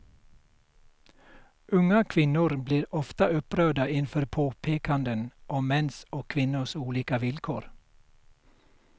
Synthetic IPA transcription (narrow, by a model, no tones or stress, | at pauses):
ʔʉŋɑkʰʋɪnʊɾbliːɾɔft̪ɑʉpɾøːd̪ɑɪnfɔɾpʰoːpʰeːkɑnd̪ənʔoːmɛnsoːkʰʋɪnʊsuːliːkɑʋɪlkʰo̰ːɾ